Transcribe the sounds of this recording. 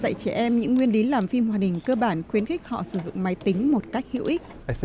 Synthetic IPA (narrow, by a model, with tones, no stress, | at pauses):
zə̰˧˨jt͡ɕɛ˧˩ʔɛ˧mɲɨ̰˧˥ŋːwi˧ənɗi˨˦laː˨˩mfi˧mhwaː˨˩ɗï˨˩ŋ̟kəː˧ɓaː˧˩nxwi˨˦ənxi˦˥k̟̚hɔ̰˧˨sɨ˧˩zʊ̰˧˨ŋ͡mma˨˦jt̪ï˨˦ŋ̟mo˨˩t̚ka˦˥jk̟̚hḭ˧˨əwʔi˦˥k̚